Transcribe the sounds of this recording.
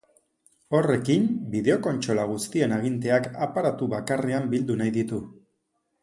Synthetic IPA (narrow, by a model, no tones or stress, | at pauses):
o̞re̞kimbiðe̞o̞ko̞nt͡ʃo̞laɣust̪ie̞naɣ̞int̪e̞akapaɾat̪uβakareambild̪unajðit̪u